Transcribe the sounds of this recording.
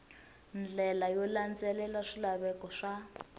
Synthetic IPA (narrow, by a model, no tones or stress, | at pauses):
nd͡ɮɛlajɔland͡zɛlɛlaʂilaβɛkɔʂa